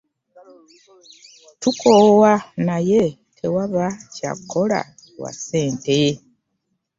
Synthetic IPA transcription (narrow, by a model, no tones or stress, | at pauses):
tukʰowanaje | tʰewaβaca̰kʰːola̰ | wa̰se̞ːnte